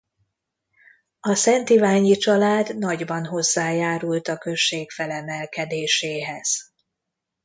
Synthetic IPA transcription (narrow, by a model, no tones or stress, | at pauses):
ɒsɛnt̪ivaːɲit͡ʃɒlaːd̪nɒɟbɒnɦo̞zːaːjaːɾult̪ɒkø̞ʃːeːkfɛlɛmɛlkɛd̪eːʃeːɦɛz̥